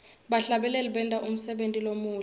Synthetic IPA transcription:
ɓaɬaɓɛlɛliɓɛntʼaʔum̩sɛɓentʼilomuː

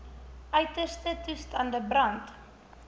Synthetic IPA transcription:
ʔœɥtəstətystɐndəbrɐnt

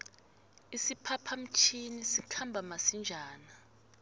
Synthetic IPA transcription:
isipʰapʰam̩t͡ʃʰinisikʰambʱamasind͡ʒʱaːna

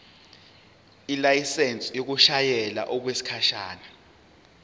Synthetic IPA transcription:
ilajisɛnt͡sʼijok̬uʃajɛla̰ʔɔk̬wesi̥kʰaʃaːna

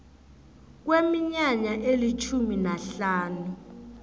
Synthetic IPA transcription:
k̬wemiɲaɲaʔelit͡ʃʰuminaɬaːnu

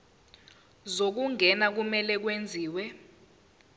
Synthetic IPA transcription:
zok̬uŋʱɛnak̬umɛlɛk̬wend͡zʱiːwɛ

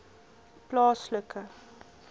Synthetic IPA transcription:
plɑːsləkə

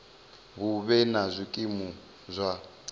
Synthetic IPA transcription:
βuβɛnazʷikʼimu | zʷa

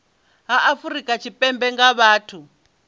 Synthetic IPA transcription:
ɦaʔafuɾikʼat͡ʃʰipʼɛmbɛŋɡaβaːtʰu

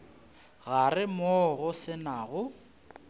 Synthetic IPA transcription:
ɣarɪmɔɣʊsɪnaɣʊ

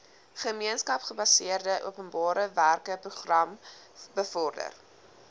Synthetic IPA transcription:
χəmiənskɐpχəbɐsiərdəʔṵəpənbɑːɾəværkəpruχrɐm | bəfɔrdə̰r

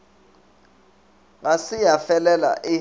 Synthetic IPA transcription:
ŋasijafɛlɛla̰ʔi

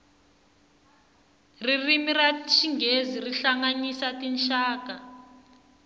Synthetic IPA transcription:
ririmirat͡ʃiŋɡeziriɬaŋaɲisatinʃaːka

